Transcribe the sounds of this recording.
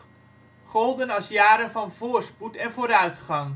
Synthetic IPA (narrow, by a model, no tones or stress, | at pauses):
χolˠdənɑlˠsjaːɾənvɑnvoːrsputɛnvoːɾœɥtχɑŋ